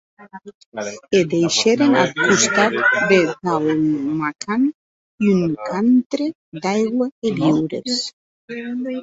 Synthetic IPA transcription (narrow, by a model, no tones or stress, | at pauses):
ed̪ejʃeɾenat̪̚kust̪at̪beðawmakʰan | juŋkant̪ɾe | d̪ajɣweeβiwɾḛs